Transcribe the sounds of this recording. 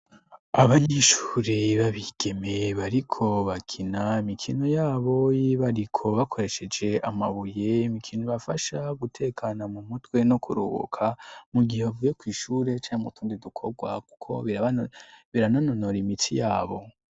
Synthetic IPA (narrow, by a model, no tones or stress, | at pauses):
aβaɲeːʃu̥ːɾiβaβiɡ̥e̞me̞βaɾikʰo̞βakʰinaimikʰino̞jaːβo̞jiβaɾikʰo̞βakʰo̞ɾe̞ʃe̞d͡ʒe̞ʔamaβuje̞mikʰinoβafaʃaɡutʰe̞kʰanamumutwe̞nokʰuɾṵβo̰kʰamuɡiheβavujekwiːʃuːɾe̞t͡ʃaːnmutʰuːndidukʰo̞ɡwaku̥kʰo̞̰βiaβiɾanano̞noɾimit͡sijaːβo̞